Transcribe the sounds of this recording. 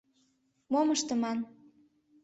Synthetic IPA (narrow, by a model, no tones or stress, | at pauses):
moməʃt̪ə̆mɑn